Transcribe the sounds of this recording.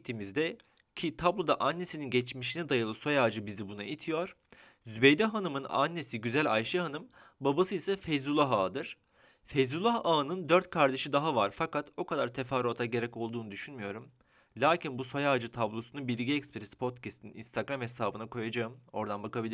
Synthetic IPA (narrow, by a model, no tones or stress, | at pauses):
t̪ʰimizd̪ɛ | cʰit̪ʰablˠo̞d̪aʔanːe̞sininɟɛt͡ʃmiʃinɛd̪ajɯlˠɯso̞jaːd͡ʒɯbizibunait̪ʰijo̞ɾ̥ | zybejd̪ɛɦanɯmɯna̰nːe̞siɟyzælʲajʃɯɦanɯmbabasɯisɛfejzulˠaɦaːd̪ɯɾ̥ | fejzulˠahaːɯnɯnd̪øɾt̪̚kʰaɾd̪eʃid̪aɦavaɾfakat̪o̞kʰad̪aɾt̪ʰefaɾot̪ʰaɟeɾɛco̞lˠd̪uːnud̪yʃynmyjo̞ɾum | lʲaːcʰinbuso̞jaːd͡ʒɯt̪ʰablˠo̞sunubilʲiɟɛɛcspɾɛsi̥pʰo̞t̪cʰɛst̪ʰinḭnst̪ʰaɡɾamhe̞saːbɯnakʰo̞jad͡ʒaɯmo̞ɾd̪anbakabilʲi